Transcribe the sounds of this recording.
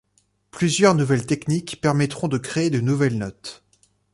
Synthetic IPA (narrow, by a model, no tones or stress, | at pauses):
plyzjœʁnuvɛlt̪ɛknikpɛʁmɛt̪χɔ̃d̪əkχeed̪ənuvɛlnɔt̪